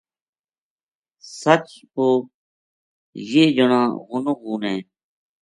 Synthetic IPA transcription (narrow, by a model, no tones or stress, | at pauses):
sət͡ʃpoː | jeːd͡ʒəɳãːɣʊnoɣuːnɦẽː